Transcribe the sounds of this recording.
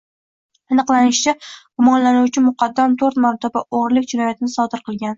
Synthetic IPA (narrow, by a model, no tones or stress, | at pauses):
ɨnɨqlˠanɪʃt͡ʃʰaɡ̥ʊmɒnlanuwt͡ʃʰɪmʊqʰɑd̪ːamt̪ʰoɾt̪maɾt̪ʰabaʔoʁɾlɪkʲd͡ʒɪnɒjat̪ʰɪnɪsɒd̪ɪɾqʰɨlˠɡʲan